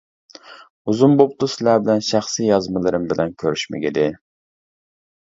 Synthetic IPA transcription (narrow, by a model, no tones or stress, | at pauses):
uzumbop̚t̪usɪlæbɪlɛnʃæχsijɑzmɨlˠɨɾɪmbɪlɛnkʲʰøɾyʃmɪ̰ɡʲid̪ɪ